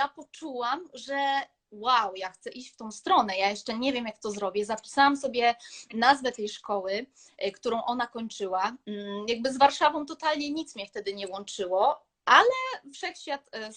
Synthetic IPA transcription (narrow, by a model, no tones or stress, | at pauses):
japɔt͡ʂuwamʐɛ | wawjaxt̪sɛʔiɕt͡ɕft̪ɔ̃w̃st̪ɾɔnɛjajɛʂt͡ʂɛɲɛvʲjɛmjak̚t̪ɔzɾɔbʲjɛzapʲi̥sawamsɔbʲjɛnazvɛt̪ɛjʂkɔwɘ | kt̪uɾɔ̃w̃ʔɔnakɔɲt͡ʂɘwajaɡ̚bɘzvaɾʂavɔ̃w̃t̪ɔt̪alɲɛɲit̪smɲɛft̪ɛd̪ɘɲɛwɔnt͡ʂɘwɔ | ʔalɛfʂɛxɕfʲjat̪